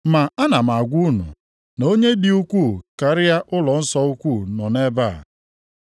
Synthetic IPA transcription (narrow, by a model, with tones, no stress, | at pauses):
ma˨a˦na˨m˨a˨ɡʷu˦nṵ˨ | no˦ɲe˦di˨u˦kʷu˦˨ka˨ɾɪ˦ja˦ʔʊ˦lɔ˨n̩˦sɔ˦u˦kʷu˦˨nɔ˨ne˦ba˦˨